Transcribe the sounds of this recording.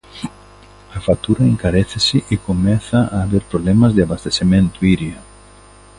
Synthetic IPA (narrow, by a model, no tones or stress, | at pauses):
afat̪uɾaeŋkaɾeθɪsɪʔekomɛθaaːβeɾpɾoβlemazðeaβast̪esemẽnt̪ʊiɾja